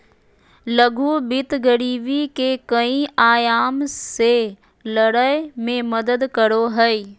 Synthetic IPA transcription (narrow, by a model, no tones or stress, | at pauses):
lɐɡʱubɪt̪ɡɐɾiːʋikekɐĩaːjaːmse | lɐɽamẽmɐd̪əd̪kɐɽoɦɐeː